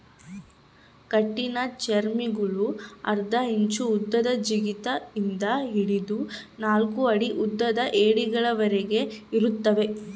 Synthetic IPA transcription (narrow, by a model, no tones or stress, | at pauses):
kɐʈːinɐt͡ʃeɾmiɡuɭuɐ̰ɾd̪ɐɦiɲt͡ʃuːd̪ːɐd̪ɐd͡ʒiɡit̪ɐind̪ɐɦiɽid̪unaːlkuɐɽiʔud̪ːɐd̪ɐʔeːɽiɡɐɭɐʋɐɾeɡe̞iɾut̪ːɐʋe̞